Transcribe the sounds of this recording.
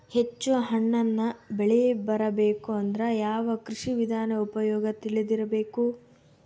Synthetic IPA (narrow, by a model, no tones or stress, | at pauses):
het͡ʃːuɦɐɳːɐnːɐbeɭɛbɐɾɐbeːkuɐnd̪ɐɾɐjaːʋɐkɾiʂiʋid̪ʱaːnɐupɐjɔːɡɐt̪iɭid̪iɾɐbeːku